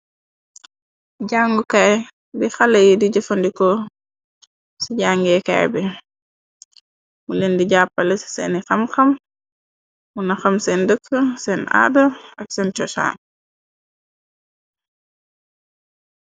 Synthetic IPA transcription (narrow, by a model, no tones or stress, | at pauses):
ɟaŋɡukaj | bixɐlɛjidiɟɐfɐndikɔ | siɟaːŋɡɛka̰jbi | mulendiɟaːpːɐlɛsɛnixɐmxɐm | munɐxɐmsɛndəkʰːəsɛna̰ːdɐɐksɛnt͡ʃɔsa̰ː